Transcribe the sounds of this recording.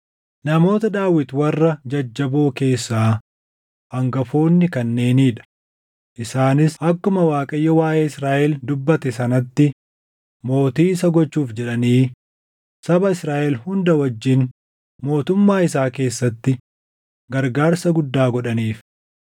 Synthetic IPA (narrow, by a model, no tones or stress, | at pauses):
nɐmo̞ːt̪ɐd̪aːwɪt̪wɐrːɐd͡ʒɐd͡ʒːɐboːke̞ːsːaː | ʔɐŋɡɐfo̞ːnːɪkɐnːe̞ːniːᶑɐ̥ | ʔɪsaːnɪsɐkːʊmɐwaːkʼɐjːɔwaːʔɛːɪsɾaːʔɛld̪ʊbːɐt̪ɛsɐnɐt̪ːɪ | mo̞ːt̪iːɪsɐɡɔt͡ʃːuːfd͡ʒɛᶑɐniː | sɐbɐɪsɾaːʔɛlhʊnd̪ɐwɐd͡ʒːɪn | mo̞ːt̪ʊmːaːɪsaːke̞ːsːɐt̪ːɪ | ɡɐɾɡaːɾsɐɡʊd̪ːaːɡɔᶑɐniːf